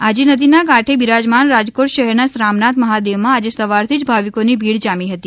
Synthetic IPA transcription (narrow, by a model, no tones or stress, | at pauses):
ad͡ʒenəd̪inakaʈʰebiɾad͡ʒmanɾad͡ʒkoʈʃəɦɛɾnasɾamnat̪məɦad̪eʋmãad͡ʒesəʋaɾt̪ʰid͡ʒbʱaʋikonibʱiɽd͡ʒamiɦət̪i